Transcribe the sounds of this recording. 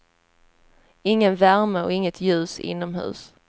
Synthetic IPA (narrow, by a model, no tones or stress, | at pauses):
ɪŋːənvæɾməɔ̰ɪŋːət̪ʰjʉ̟ːsɪ̰nːɔmɦʉ̟̰ːs